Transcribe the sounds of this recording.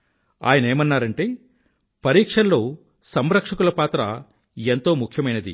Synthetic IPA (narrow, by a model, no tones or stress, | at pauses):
a̰ːjɐnɐeːmɐnːaːɾɐɳʈeː | pɐɾiːkʂɐnːo̞ː | sɐmɾɐkʂɐkulɐpaːt̪ɾɐ | ent̪o̞ːmukʰjɐmɐjnɐd̪ḭ